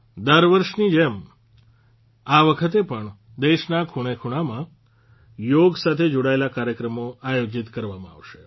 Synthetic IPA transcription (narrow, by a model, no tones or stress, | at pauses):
d̪əɾʋəɾʃnid͡ʒem | aʋəkʰət̪̬epəɳ | d̪eʃnakʰuɽ̃ekʰuɽ̃amã | joɡsat̪ʰed͡ʒoɽaelakaɾjəkɾəmoajod͡ʒit̪kəɾʋamãa̰ʋʃe